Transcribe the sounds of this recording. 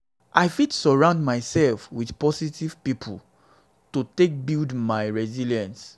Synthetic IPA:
ʔaɪfidsɔɹãʊ̃ndmaɪsɛlfwiðpɔsitiv̥pipʰul | tutek̚bildmaɪɹɛziljãns

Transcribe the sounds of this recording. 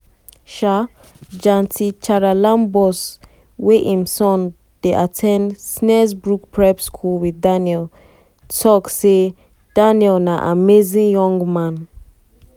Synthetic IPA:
ʃa | d͡ʒãntʰit͡ʃaɹalãmbɔs | weʔĩmsɔ̃n | d̥eʔatʰɛ̃ndsnɛsbɹuk̚pʰɹɛbskʰulwiðdanjɛl | tʰɔkse | d̥aniɛlnaʔamezĩŋjɔ̃ŋɡmãn

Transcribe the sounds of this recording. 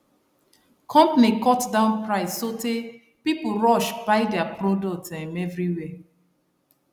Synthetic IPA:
kʰɔ̃mpanikɔtdãʊ̃npɹaɪsːote | pipuɹɔʃbaɪdɛapɹodɔk̚tãnɛvɹiwɛ

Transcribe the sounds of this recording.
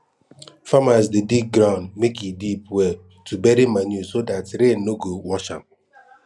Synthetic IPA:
famasdedik̚ɡɾãʊ̃ndmekidipwe | tʰubɛɾimaɲjusodatɾenːoɡowɔʃã̰m

